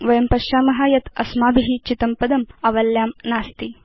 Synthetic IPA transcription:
ʋɐjɐmpɐʃaːmɐɦaːjɐt̪ɐsmaːbiɦit͡ʃit̪ɐmpɐd̪ɐmɐʋɐljaːmnaːst̪i

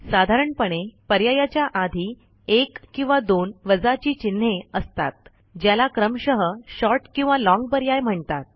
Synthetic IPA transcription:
sad̪ʱaɾəɳpəɽ̃epəɾjajat͡ɕjaʔad̪ʱiː | ekːĩw̃ʋad̪onʋəd͡zat͡ɕiːt͡ɕin̤ːeəst̪a̰t̪̚ | d͡ʑjalakɾəmɕəɦəɕɔɾʈkĩw̃ʋalɔ̃ŋɡ̚pəɾjajm̤əɳt̪at̪̚

